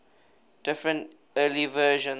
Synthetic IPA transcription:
d̥ɪfɹə̃nt | əːlivəːʒə̃n

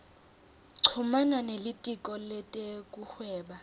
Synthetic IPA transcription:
ǀʰumananelitʼikʼɔlɛtʼek̬ʼuxwɛːɓa

